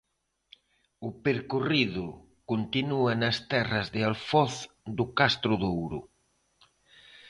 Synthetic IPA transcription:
ʊpeɾkoriðʊ | kont̪inuɐnɐst̪ɛrɐzðɪalfɔθ | d̪ʊkast̪ɾʊðowɾʊ̰

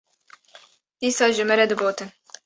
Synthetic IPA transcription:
d̪̥iːsɑːʒɨmɛɾɛd̪ɨboːt̪ɨn

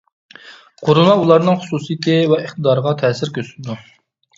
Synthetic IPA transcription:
qʰoɾʊlˠmɑulˠɑɾnɨŋχʊ̥susɨjit̪ɪvɛiχt̪əd̪ɑɾəʁɑt̪ʰɛːsɪɾkʲʰøsɪlɪd̪u

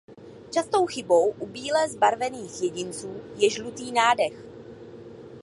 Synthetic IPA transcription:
t͡ʃast̪o̞wxɪbo̞wʔubiːlɛzbaɾvɛniːxjɛɟɪnt͡suːjɛʒlut̪iːnaːdɛx

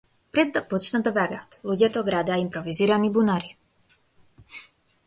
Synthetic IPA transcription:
pɾɛd̪d̪apɔt͡ʃnad̪ɔbaɡat̪luɟjat̪ɔɡɾad̪aimpɾɔviziːɾanibunaɾi

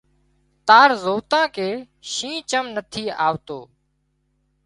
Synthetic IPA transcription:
t̪aːɾzoːt̪ãːkeː | ʃĩːt͡ʃəmnət̪ʰiːa̰ːʋt̪oː

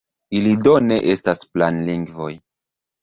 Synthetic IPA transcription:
ilidone̞ʔe̞stasplanliŋɡvo̞j

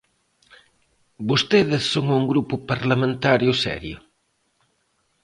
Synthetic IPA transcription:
bost̪eðɪsːoŋuŋɡɾupʊpaɾlamẽnt̪aɾjʊsɛ̰ɾjʊ

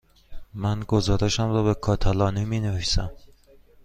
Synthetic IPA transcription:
mænɡozɒːɾeʃæmrɒːbe̞kʰɒːt̪ʰælɒːniminevisæm

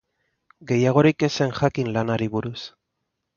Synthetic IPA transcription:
ɡe̞jaɣ̞o̞ɾike̞se̞ŋʝakinlanaɾiβuɾus

